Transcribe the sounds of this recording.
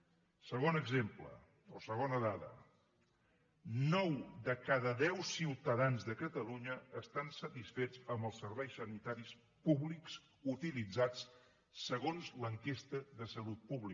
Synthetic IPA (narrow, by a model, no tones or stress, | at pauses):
səɣonəɡzemplə̰ | osəɣ̞onəðaðə̰ | nɔwðəkaðəðɛwsiwt̪əðanzðəkət̪əluɲəːst̪ansət̪isfed͡zəmbəlˠsəɾβɛjsənit̪aɾis | puβliks | ut̪ilid͡zat͡s | səɣonzləŋkest̪əðəsəlut̪̚puβli